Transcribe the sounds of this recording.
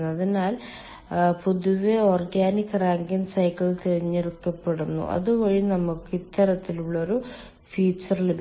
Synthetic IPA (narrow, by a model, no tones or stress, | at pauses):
ɐðinaːl | puðuʋeo̞ːrɡaːnikːɐraːŋɡɐnsɐjkːɐɭt̪eɻiɲːeɾukːɐpːeɽunːṵʔɐ̰ðubo̞ːɻinɐmukːit̪ːɐɾɐt̪ːiluɭːɐo̞ɾu | fiːt͡ɕːɐrleb